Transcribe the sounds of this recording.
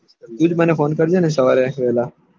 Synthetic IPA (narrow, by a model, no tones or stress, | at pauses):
d̪ud͡ʒmɛːnefoːnkɐɾd͡ʒeːnẽsɐʋaːɾeʋeːlaː